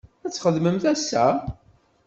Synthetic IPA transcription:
æt͡sːχəðməmθæsːæ

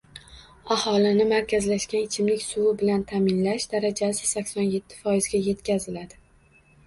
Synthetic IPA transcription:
ahɒlɪnɪmaɾkʲʰazlaʃkʲanɪt͡ʃʰɪmlɪkʲsʊwɪbɪlant̪ʰamɪnlaʃd̪̥aɾad͡ʒasɪsakʲsɒnje̞t̪ʰːɪ̥fɒjɪzɡʲaje̞t̪kʲazɪlad̪ɪ

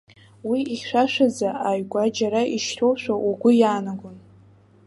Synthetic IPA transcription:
wiːχʲʃʷᶣaʃʷᶣad͡zaajɡʷad͡ʒaɾaiʃtʰowʃʷᶣaʔuɡʷʊjaːnaɡʷʊn

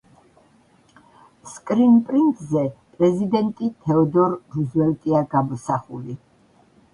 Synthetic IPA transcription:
skʼɾinpʼɾint̪ʼzɛpʼɾɛzid̪ɛnt̪ʼit̪ʰɛɔd̪ɔɾːuzwɛlt̪ʼiaɡamɔsaχṵli

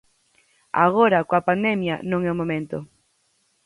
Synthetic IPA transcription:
a̰ɣ̞oɾakoapand̪ɛmja̰nõŋɛomomẽnt̪o

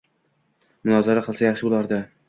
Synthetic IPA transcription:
mʊnɒzaɾaqʰɨlˠsajaχʃɪbʊlˠaɾd̪a

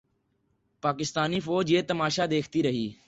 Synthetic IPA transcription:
paːkɪst̪aːniːfoːd͡ʒjeːt̪əmaːʃaːd̪eːkʰt̪iːɾəɦiː

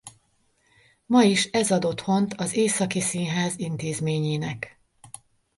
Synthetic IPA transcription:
mɒiʃɛzɒd̪o̞t̪ho̞nt̪ɒzeːsɒkisinɦaːzint̪eːzmeːɲeːnɛk

